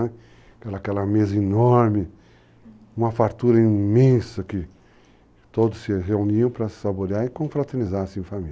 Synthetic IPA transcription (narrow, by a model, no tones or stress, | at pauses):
ɛ | kɛlɐkɛlɐmezɐinɔɾmɪ | ũmɐfaɾt̪uɾɐĩmẽsɐkɪ | t̪od̪ʊsːɪɦeuniɐ̃w̃pɾɐsaboɾiaɾɪkõfɾat̪eɾnizaɾsiẽfami